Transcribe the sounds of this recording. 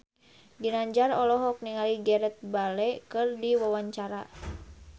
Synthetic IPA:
ɡinaɲd͡ʒarɔlɔɦɔk̚niŋaliɡɛɾɛt̪̚balɛkɨrdiwawaɲt͡ʃaɾa̰

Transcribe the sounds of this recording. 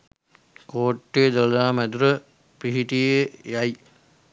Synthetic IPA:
koːʈːeːd̪ollaːmæd̪uɾə | piɦiʈijejɐj

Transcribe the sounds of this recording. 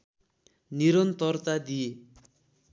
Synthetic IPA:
niɾʌnt̪ʌrt̪ad̪ije

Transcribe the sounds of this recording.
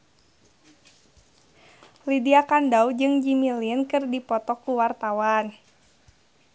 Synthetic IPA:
lidiakandaud͡ʒɨŋd͡ʒimiliənkɨrdipɔt̪ɔkuwart̪awan

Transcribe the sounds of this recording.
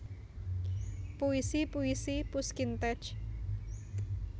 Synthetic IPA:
puisipuisipuskint̪ɛ̥t͡ʃ

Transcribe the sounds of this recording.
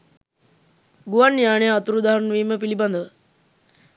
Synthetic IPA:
ɡuʋanːijaːɳejəɐt̪uɾud̪aɦanʋiːməpiliband̪əʋə

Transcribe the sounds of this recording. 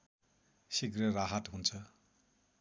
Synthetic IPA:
sikrʌraɦat̪ɦunt͡sʰʌ

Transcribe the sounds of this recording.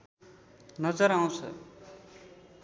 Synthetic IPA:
nʌd͡zʌɾaw̃t͡sʰʌ̰

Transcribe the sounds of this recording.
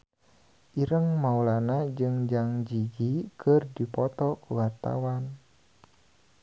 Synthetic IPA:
ʔiɾəŋmaulanad͡ʒɨŋd͡ʒaŋd͡ʒid͡ʒikʰərdipɔt̪ɔkuwart̪a̰wan

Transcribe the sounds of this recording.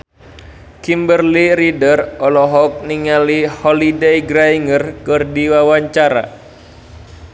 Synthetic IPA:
kimbərliɾidərɔlɔɦɔk̚niŋalihɔlidejɡɾaiŋərkɨrdiwawaɲt͡ʃaɾa̰

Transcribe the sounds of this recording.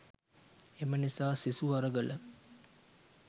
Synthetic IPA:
emənisaːsisuɐɾəɡələ

